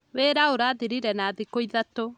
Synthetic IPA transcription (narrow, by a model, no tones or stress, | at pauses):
weːɾaoɾaːðiɾiɾɛnaːðikoiðato